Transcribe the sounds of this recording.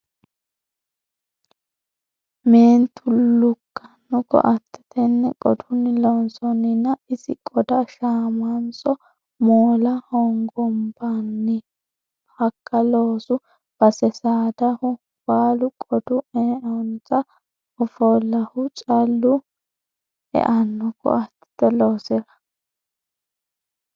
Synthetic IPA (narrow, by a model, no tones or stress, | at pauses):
meːnt̪ʰʊlʊkːɐnːʊkɔ̰ʔɐt̪ʰːɛ̥t̪ʰɛnːɛkʼɔ̰d̪ʊnːɪlɔnsɔnːɪnːɐɪsɪ̰kʼɔd̪ɐʃaːmansɔ | moːlɐhɔŋɡɔmbanːɪ | hɐkːɐloːsʊ | b̥ɐsɛsaːd̪ɐhʊ | waːlʊkʼɔd̪ʊɛɔnt͡sʼɐ | ɔfɔlːɐhʊt͡ʃʼɐlːʊ | ɛ̰ʔɐnːʊkɔ̰ɐt̪ːɪ̥t̪ɛloːsɛɾɐ̥